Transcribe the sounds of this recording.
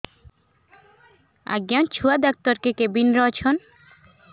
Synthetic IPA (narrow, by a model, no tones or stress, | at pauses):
a̰ɡjant͡ɕʰuad̪ɔk̚t̪ɔɾkekebinɾɔt͡ɕʰon